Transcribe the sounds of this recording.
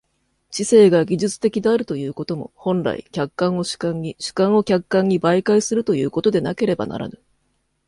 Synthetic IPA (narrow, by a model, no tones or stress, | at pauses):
ɕise̞ːɡaɡʲiʑɨt͡sɨ̥t̪e̞kʲid̪e̞aɾɯ̟t̪o̞jɯ̟ːko̞t̪o̞mo̞̰hõ̞nɾa̰ḭkʲakːãɰ̃o̞ɕɨ̥kãɲːiɕɨ̥kãɰ̃o̞kʲakːãɲ̟ːibaikaisɨɾɯ̟t̪o̞jɯ̟ːko̞t̪o̞d̪e̞nake̞ɾe̞ba̰na̰ɾa̰nɯ̟